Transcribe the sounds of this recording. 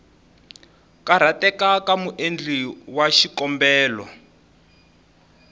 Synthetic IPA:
kaɾ̤atɛkakamuʔend͡ɮiwaʃikɔmbɛːlɔ̰

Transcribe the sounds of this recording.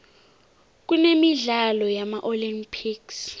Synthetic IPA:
k̬unemiɮalɔjamaʔolimpʰiks

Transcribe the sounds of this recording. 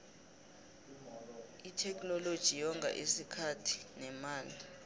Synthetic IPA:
itʰɛk̬ʰʼnɔlod̥ʒ̥ʱijɔŋʱa̰ʔesikʰatʰi̥nɛmaːli

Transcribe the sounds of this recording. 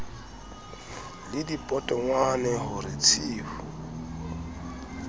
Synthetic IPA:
lɪdipʼɔtʼɔŋwanɛɦʊɾɪt͡sʰiːfu

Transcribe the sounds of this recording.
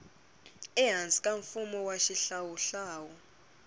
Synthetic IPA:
ɛɦand͡zʼikʼaɱfumɔwaʃiɬawuɬaːwɔ

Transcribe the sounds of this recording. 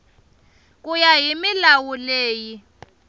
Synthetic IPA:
k̬ʼujaɦimilawuleːji

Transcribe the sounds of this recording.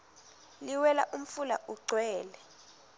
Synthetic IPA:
liwɛla̰ʔum̩fula̰ʔuɡ͡ǀʱwɛːlɛ

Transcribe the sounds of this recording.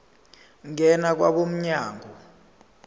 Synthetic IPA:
ŋɛnak̬wa̰ɓom̩ɲaːŋʱɔ

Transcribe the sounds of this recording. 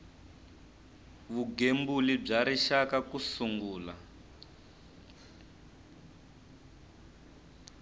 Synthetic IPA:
βuɡembulib͡ʐaɾiʃakakusuŋɡuːla

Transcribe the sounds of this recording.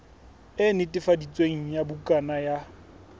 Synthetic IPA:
ɪnɪtʼɪfadit͡sʼweŋ̩jabʊkʼanaja

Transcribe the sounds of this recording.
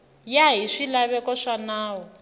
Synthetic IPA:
jaɦiʂilaβɛkɔʂanaːwɔ

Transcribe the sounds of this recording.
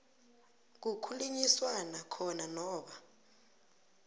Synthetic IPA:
k̬ukʰuluɲiswanakʰɔnanɔːɓa

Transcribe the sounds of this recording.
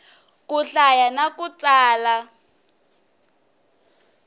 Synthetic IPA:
kuɬajanakut͡saːla

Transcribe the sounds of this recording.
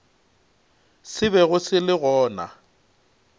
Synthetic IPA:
sɪβɛɣʊsɪlɪɣɔːna̰

